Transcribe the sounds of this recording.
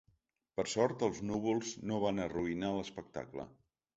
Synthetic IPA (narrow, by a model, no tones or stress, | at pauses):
pəɾsɔɾt̪əlˠznuβulˠznoβ̞anəruinaləspək̚t̪a̰klə̰